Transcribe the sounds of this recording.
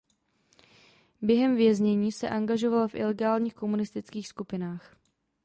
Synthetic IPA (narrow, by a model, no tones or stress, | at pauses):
bjɛɦɛmvjɛzɲɛɲiːsɛ̰ʔaŋɡaʒo̞valafʔɪ̰lɛɡaːlɲiːxko̞munɪst̪ɪt͡skiːxskupɪnaːx